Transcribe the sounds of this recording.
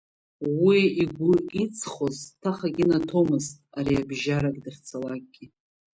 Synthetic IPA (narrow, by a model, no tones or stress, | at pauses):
wiiɡʷʊit͡sʰχoztʰaχaɡʲinatʰo̞mɨztʼaɾiabʒaɾakʼdɨχt͡sʰalak̚ʼɡʲi